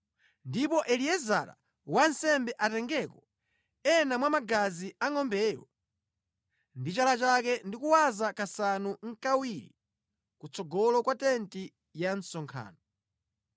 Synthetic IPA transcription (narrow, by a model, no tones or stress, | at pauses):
ndipɔʔɛliɛza̰la̰ | wansɛmbɛʔatɛŋɡɛkɔ | ɛnamwamaɡaziaŋɔmbɛːjɔ | ndit͡ʃalat͡ʃakɛndikuwazakasanuŋ̩kawiɾḭ | kut͡sɔɡɔlɔkwatɛnti | jansɔŋkʰa̰ːnɔ